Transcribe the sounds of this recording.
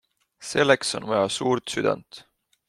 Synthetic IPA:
se̞lːekso̞̰nmojɑsuːɾt̪syd̪ɑ̰nt̪

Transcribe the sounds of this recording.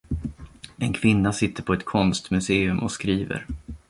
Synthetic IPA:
ɛnkʰvɪnːasɪt̪ːəɾpʰɔɛt̪kʰɔnst̪mɵseːɵmʔɔskɾiːvə̰ɾ

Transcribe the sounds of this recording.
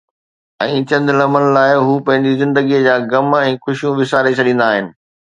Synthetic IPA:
ɛ̃ːt͡ɕɐ̃nd̪lɐmənɪ̆laːɪɦuːpɐ̃ɦɪ̃ɲd͡ʑizɪ̃nd̪əɡiəd͡ʑaːɡɐmɛ̃ːxʊʃijũʋɪsaːɾet͡ɕʰɐɗĩːn̆d̪aːɦɪnɪ̆

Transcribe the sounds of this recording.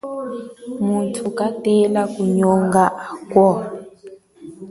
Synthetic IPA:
muntʰukatɛlakuɲɔŋɡaʔakwɔ

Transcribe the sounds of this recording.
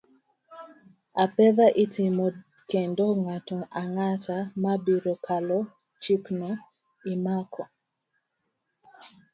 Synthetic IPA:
apɛðaʔitʰɪmo | kendoŋatuŋaŋatamabiɾokʰalɔ | t͡ʃikno | imakʰɔ

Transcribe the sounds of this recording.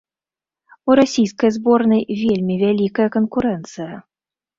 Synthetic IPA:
uɾasʲijskɐjzbɔrnɐjvʲelʲmʲivʲælʲikɐjɐkənkuɾɛnt̪sɨjɐ

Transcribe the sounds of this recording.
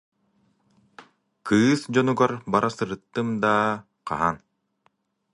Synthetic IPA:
kʰɯːsd͡ʑɔnuɡaɾbaɾʔasɯɾɯt̪ːɯmd̪aː | qa̰ɦan

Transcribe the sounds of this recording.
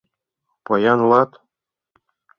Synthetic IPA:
pɤjɑnlˠɑt̪

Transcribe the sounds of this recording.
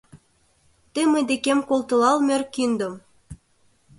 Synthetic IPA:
t̪əmə̆jd̪ekemkolˠt̪ɤ̆lɑlmʲørkind̪ə̆m

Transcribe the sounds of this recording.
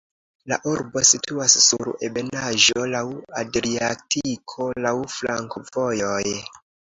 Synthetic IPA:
la̰ʔuɾbo̞sitʰuasːuɾḛbe̞naʒo̞lawadɾiatʰikʰo̞lawflaŋkvo̞jo̞j

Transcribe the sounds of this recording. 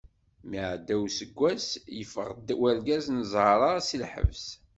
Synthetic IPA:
miʕd̪ːæwsəɡʷːæsjəfə̰ʁd̪wælɡæznəzˤɑɾˤɑsilħə̰vs

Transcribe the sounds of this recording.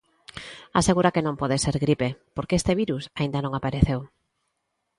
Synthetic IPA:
aseɣuɾakenõŋpɔðeseɾɣɾipepoɾkeest̪eβ̞iɾusaĩnd̪anõŋapaɾeθew

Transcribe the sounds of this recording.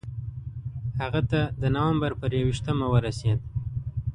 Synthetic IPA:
haɣat̪ad̪ənawambaɾpəɾjawiʃt̪əmawəɾased̪̚

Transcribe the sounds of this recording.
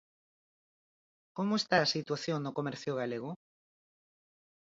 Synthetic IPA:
komoest̪aːsit̪waθjoŋnʊkomɛɾθjʊɣaleɣʊ

